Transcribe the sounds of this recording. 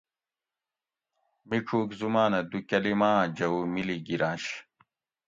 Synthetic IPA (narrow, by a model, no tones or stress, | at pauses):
miʈ͡ʂʰuːkzumaːnɐd̪ukɐlimãːd͡ʑɐumiliɡiɾãːɕ